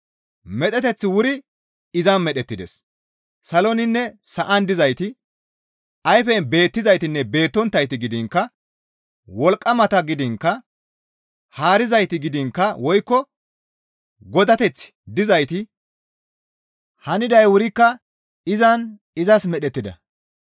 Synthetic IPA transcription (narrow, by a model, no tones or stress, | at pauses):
mɛt̪ʼɛt̪ɛt͡sːɪwʊɾɪ | ɪzɐnmɛɗɛt̪ːɪd̪ɛ̰s | sɐlɔnɪnːɛsɐʔɐnd̪ɪzɐjt̪ɪ | ɐjfɛnbe̞ːt̪ːɪzɐjt̪ɪnːɛbe̞ːt̪ːɔnt̪ːɐjt̪ɪɡɪd̪ɪŋkːɐ | wɔlkʼːɐmɐt̪ɐɡɪd̪ɪŋkːɐ | haːɾɪzɐjt̪ɪɡɪd̪ɪŋkːɐwɔjkːɔ | ɡɔd̪ɐt̪ɛt͡sːɪ̥d̪ɪzɐjt̪ɪ | hɐnɪd̪ɐjwʊɾɪkːɐ | ɪzɐn | ɪzɐsmɛɗɛt̪ːɪd̪ɐ̰